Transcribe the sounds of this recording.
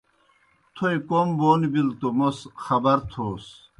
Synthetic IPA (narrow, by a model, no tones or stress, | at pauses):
t̪ʰojkomboːnibilt̪omosxɐbɐɾt̪ʰoːs